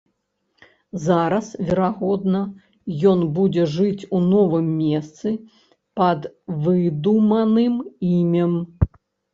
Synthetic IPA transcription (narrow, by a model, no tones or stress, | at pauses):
zaɾɐsvʲɛɾaɣɔd̪nɐ | jɔnbud͡zʲɛʐɨt͡sʲunɔvɨmːʲɛst̪sɨ | pɐd̪vɨd̪umɐnɨmimʲɐm